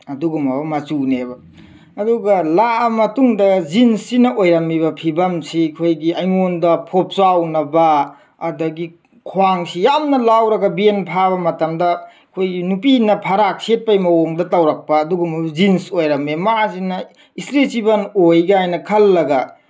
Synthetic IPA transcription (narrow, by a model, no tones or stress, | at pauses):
ɐduɡumɐbɐmɐt͡ʃunebɐ | ɐduɡɐlamɐtuŋdɐzinsinɐʔojɾɐmːiβɐpʰibɐmsikʰojɡiʔɐjŋondɐpʰop̚sawnɐbɐ | ɐdɐɡi | kʰwwaŋsijamnɐlawɾɐɡɐbienpʰaβɐmɐtɐmdɐ | kʰojɡinupinɐpʰɐɾak̚set̚pɐjmɐwoŋdɐtɐwɾɐk̚pɐːduɡumɐbɐzinsojɾɐmemasinɐ | isɾesibɐnojɡajnɐkʰɐlːɐɡɐ